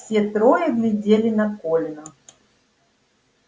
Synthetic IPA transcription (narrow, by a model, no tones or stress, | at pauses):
sʲet̪ɾojəɡlʲɪdʲelʲɪnɐkolʲɪnʊ